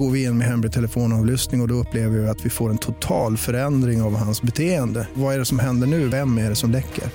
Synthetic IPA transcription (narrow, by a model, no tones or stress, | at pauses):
ɡoːɾvɪɪnːɔmɛɦɛmɾɪt̪ʰɛləfoːnɑːvlʏst̪nɪŋɔd̪ɔɵpːleːvəɾɪɪat̪vɪfoːɾɛnt̪ʰʊt̪ʰɑːlfœɾɛnd̪ɾɪŋavhansbɛt̪ʰeːənd̪əvaæɖɛsɔmɦɛnd̪əɳʉ̟ːvɛmːæɖɛsɔmd̪ɛkʰːə̰ɾ